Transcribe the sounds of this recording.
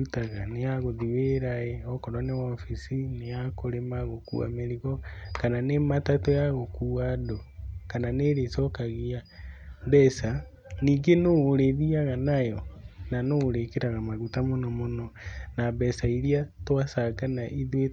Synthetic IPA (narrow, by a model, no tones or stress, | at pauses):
utaɣanejaɣoðiweɾaɛɔkɔɾwaneɔfisinejakoɾemaɣokṵa̰meɾiɣɔkananematatojaɣokuadokananeɾesɔkaɣiaðɛsa | niːɡenoːɾeðiaɣanajɔnanoɾekeɾaɣamaɣutamonɔmonɔnabɛsaiɾiatwasaɡanaʔiðwe